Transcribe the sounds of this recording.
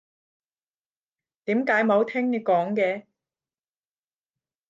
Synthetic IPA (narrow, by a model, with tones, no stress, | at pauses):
t̪iː˨˥mkaː˨˥jmo˨˧wt̪ʰɪ˥ŋ˧kɔː˨˥ŋkɛː˧